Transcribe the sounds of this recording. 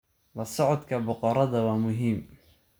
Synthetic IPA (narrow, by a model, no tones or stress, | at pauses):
lɐsɔʕɔd̪kʰɐbʊqɔɾɐðɐwɑːmʊɦiːm